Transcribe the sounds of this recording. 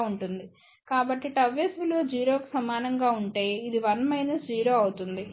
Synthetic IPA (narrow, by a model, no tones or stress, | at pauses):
uɳʈund̪i | kaːbɐʈːiʈɐʋesʋiloːd͡ʒiːɾo̞ːku̥sɐmaːnɐŋɡaːuɳʈe̞ːid̪iʋɐnmɐjnɐsd͡ʒiːɾo̞ːɐwut̪und̪i